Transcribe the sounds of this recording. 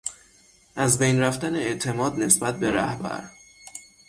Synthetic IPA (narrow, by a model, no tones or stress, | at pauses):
ʔæzbejnræft̪æneeʔt̪ʰe̞mɒːd̪ne̞sbæt̪̚be̞ɾæhbæ̰ɾ